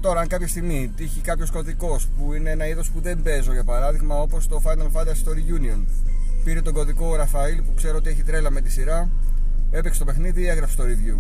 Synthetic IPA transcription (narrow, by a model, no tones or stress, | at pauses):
t̪o̞ɾɐɐŋkɐpçɐst̪iɣmit̪içikɐpço̞sko̞ðiko̞spuine̞enɐiðo̞spuðe̞mbe̞zo̞ʝɐpɐɾɐðiɣmɐo̞po̞st̪o̞fɐnɐlfɐnd̪ɐsst̪oɾiʝunio̞n | piɾet̪o̞ɡo̞ðiko̞ɾɐfɐilpukse̞ɾoot̪ie̞çit̪ɾelɐme̞t̪i̥siɾɐ | e̞pekst̪o̞pe̞xniðie̞ɣɾɐfst̪o̞ɾiðʝo